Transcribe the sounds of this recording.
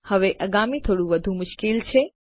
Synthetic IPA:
həʋeʔəɡamit̪ʰoɽũʋəd̪ʱũmʊʃkilt͡ʃʰe

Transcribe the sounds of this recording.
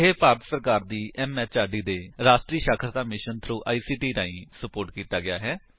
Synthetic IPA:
ɦeːpaːɾt̪səɾkaːɾd̪iːʔɛːmɛːt͡ʃaːɖiːd̪eːɾaːʃʈɾiːʃaːkʰəɾd̪aːmɪʃənt̪ʰɾuːʔaːiːsiːʈiːɾaːĩːsəpoːɾʈkiːt̪aːɡɪa̰ːɦɛː

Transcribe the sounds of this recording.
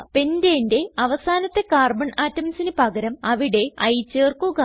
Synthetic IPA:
pendende̞ɐʋɐsaːnɐt̪ːe̞kaːrbɐɳʔaːtːɐmsinɨpɐɣɐɾɐmɐʋiɽe̞ɐjt͡ɕːeːrkuɣɐ

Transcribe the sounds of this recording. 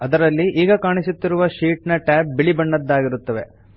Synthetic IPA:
ɐd̪ɐɾɐlːiʔiːɡɐkaːɳisut̪ːiɾuʋɐʃiːʈnɐʈɛːp̚biɭibɐɳːɐd̪ːaːɡiɾut̪ːɐʋe̞̰

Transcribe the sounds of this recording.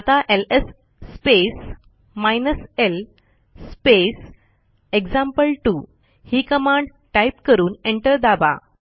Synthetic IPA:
at̪aʔelesː | pes | majnəsel | spes | ekd͡ʑãmpəlʈu | hiːkəmãɳɖ | ʈajpkəɾuːneɳʈəɾd̪aba̰

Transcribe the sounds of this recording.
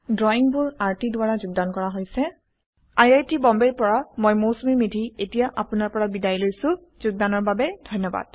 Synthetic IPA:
dɹɔiŋbʊɹaɹtidʊwaɹazʊɡ̚dankɔɹaɦojsɛ | ajajtibɔmbeɹpɔɹamojmosumimidʱietijaʔapʊnaɹpɔɹabidajlojsʊ̃ | z̥ʊɡ̚danɔɹbabɛdʱɔjnːɔba̰d̥

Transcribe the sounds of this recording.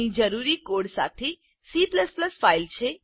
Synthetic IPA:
id͡ʒəɾuɾikoɽsa̰t̪ʰe | sipləspləsfailt͡ʃʰe

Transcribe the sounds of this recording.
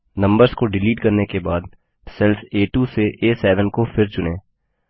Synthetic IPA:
nɐ̃mbəɾzkoɖɪliːʈkɐɾnekebaːd̪ | sɛlfeːʈuːseʔeːsɛːʋənkofɪɾt͡ʃʊneː

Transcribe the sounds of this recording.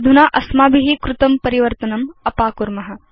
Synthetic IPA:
d̪ʱunaːʔɐsmaːbʱiɦikɾut̪ɐmpɐɾiʋɐɾt̪ɐnɐmɐpaːkuɾmɐɦɐ̆

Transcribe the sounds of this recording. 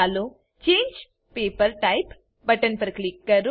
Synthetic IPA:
alo | t͡ɕẽːɲd͡ʑ | pepəɾʈaip | bəʈənpɾəklikːəɾ

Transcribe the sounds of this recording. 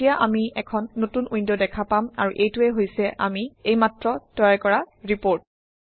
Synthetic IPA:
ijaʔamiɛkʰɔnːotunʔujndɔdɛkʰapama̰ɹuʔejtuɛɦojsɛʔa̰miejmatɹɔtɔjajkɔɹaɹipoɹt̚

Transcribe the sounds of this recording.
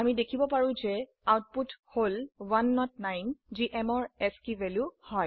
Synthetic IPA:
amidekʰibɔpaɹũzɛ | awt̚putholwanːɔtnajnziʔɛmɔɹɛskiveljuhɔj

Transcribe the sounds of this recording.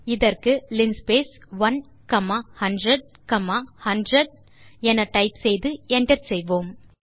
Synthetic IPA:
ɪðɐrkɯlɪnspeːsʋɐn | kɐmaːhɐɳɖɾɐɽ̚ | kɐmaːhɐɳɖɾɐɽ | ɛnɐʈɐɪpsɛjðɯɛɳɖɐɾsɛjʋoːm

